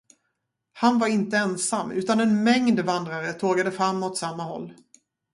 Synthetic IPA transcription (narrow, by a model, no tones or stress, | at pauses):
hanvaɾɪnt̪əɛnsamːʉ̟ːt̪anɛnmɛŋd̪vand̪ɾaɾət̪ʰoːɡad̪əfɾamːɔt̪samːahɔ̰lː